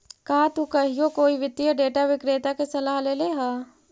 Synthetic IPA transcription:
kaːt̪ukɐɦijokoːiʋɪt̪ːjəɖeːʈaʋɪkɾeːt̪akesɐlaːɦleleɦaː

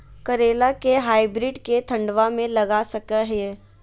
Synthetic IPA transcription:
kɐɾeːlakeɦaːibɾiːɖket̪ʰɐ̃ɳɖʋamẽlɐɡasɐkəɦe

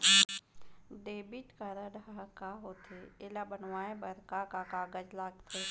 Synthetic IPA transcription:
ɖ̪eːbɪʈkaɾəɖakaɦoːt̪ʰeelabənwaːẽbəɾkakakaːɡəd͡ʒlaːɡt̪ʰe

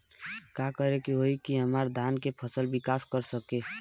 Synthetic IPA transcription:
kakəɾekiɦoikiɦəmaɾd̪ʱankepʰəsəlbikaskəɾsəke

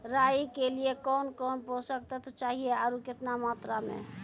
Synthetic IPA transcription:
ɾajkeliekɔnkɔnposək̚t̪ɛt̪ot͡ʃaɦieaɾuket̪namat̪ɾamḛ

